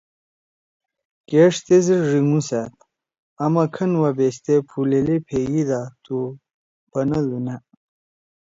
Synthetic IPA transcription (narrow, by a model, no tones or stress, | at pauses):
keʂt̪eziɾʐiŋuset̪̚ | ɐmɐkʰɐnwɐbest̪epʰulelipʰeɡid̪at̪u | pɐnɐd̪una